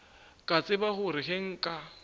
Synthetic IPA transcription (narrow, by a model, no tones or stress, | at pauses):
kʼat͡sʼɪbahʊɾɪɦeŋ̩kʼa